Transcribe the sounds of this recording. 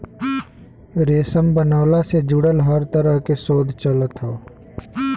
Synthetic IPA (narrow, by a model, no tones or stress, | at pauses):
ɾeːsəmbənaːlased͡ʒʊɽəlɦəɾt̪əɾəɦkesoːd̪ʱt͡ʃələt̪ɦoː